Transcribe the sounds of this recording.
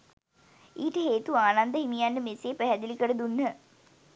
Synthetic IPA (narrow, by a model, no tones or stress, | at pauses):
iːʈəɦeːt̪uaːnand̪əɦimijanːəmeseːpæɦæd̪ilikəɽəd̪unːə